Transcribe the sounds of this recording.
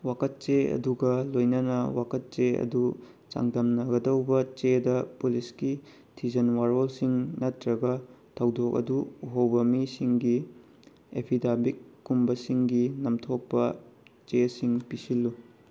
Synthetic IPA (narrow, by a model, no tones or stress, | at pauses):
wakʰɐt̚t͡ʃeɐ̰duɡɐlojnɐnɐwakʰɐt̚t͡ʃeɐ̰du | t͡ʃa̰ŋdɐmnɐɡɐdɐwbɐt͡ʃedɐpuliski | tʰizɐnwaɾolsiŋnɐtɾɐɡɐtʰɐwdok̚ɐ̰duuɦɐwbɐmisiŋɡi | epʰidabikːumbɐsiŋɡinɐmtʰok̚pɐt͡ʃesiŋpisilːu